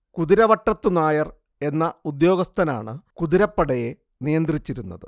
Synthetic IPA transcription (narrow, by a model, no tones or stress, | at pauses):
kuðiɾɐʋɐʈːɐt̪ːunaːjɐr | e̞nːɐud̪jo̞ːɡɐst̪ʰɐna̰ːɳɨkuðiɾɐpːɐɽɐje̞ | nijɐnd̪rit͡ɕːiɾunːɐðɨ̰